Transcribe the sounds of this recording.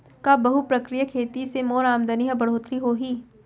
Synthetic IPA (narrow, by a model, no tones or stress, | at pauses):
kabɐɦupɾɐkɾijəkʰeːt̪isemoːɾaːmd̪ɐniɦəbɐɽ̤oːt̪ɾiɦoːɦiː